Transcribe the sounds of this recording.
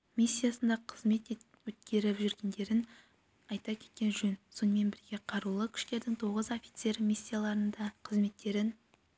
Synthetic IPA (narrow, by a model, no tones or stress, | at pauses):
mʲisʲːijasənd̪ɑqʰəzme̞t̪t̪ | wɵt̪̚kʲe̞ɾɪpʒʏɾɡʲe̞nd̪e̞ɾɪn | ɑjt̪ɑkʲʰe̞̥t̪̚kʲe̞nʒɵnso̞nəme̞nbɪɾɡʲe̞qʰɑɾulˠəkʲʰɪ̥ʃk̪e̞ɾd̪ɪŋt̪ʰo̞ʁəzofʲi̥t̪se̞ɾmʲisʲːijalˠɑɾənd̪ɑqʰəzme̞t̪ːe̞ɾɪn